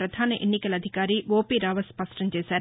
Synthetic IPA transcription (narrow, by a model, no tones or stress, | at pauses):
ɾɐd̪ʱaːnɐʔenːikɐlɐd̪ʱikaːɾiʋoːpiːɾaːʋɐspɐsʈɐmt͡ʃeːsaːɾ